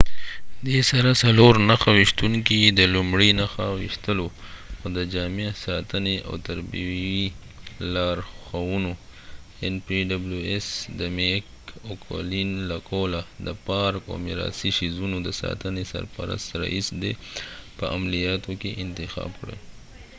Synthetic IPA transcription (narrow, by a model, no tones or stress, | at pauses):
d̪esaɾasaloɾnaxawiʃt̪uŋkid̪əlʊmɽinaxawḭʃt̪əloxod̪əd͡ʒɑmesɑt̪əneʔa̰wt̪aɾbiwi | lɑɾxawuno | enpiɖabluesd̪əmek | okʰo̰linlakʰolad̪əpɑɾko̰mɪɾɑ̰siʃizunod̪əsɑ̰t̪ənesa̰ɾpa̰ɾa̰st̪ɾa̰ʔisd̪epəamlijɑt̪okeʔɪnt̪ɪxɑ̰bkɽḛ